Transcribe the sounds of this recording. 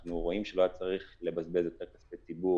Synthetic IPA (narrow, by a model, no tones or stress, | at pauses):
nuʁo̞imʃelojat͡saʁiχle̞bazbelzjot̪e̞ʁkasfejt͡sibu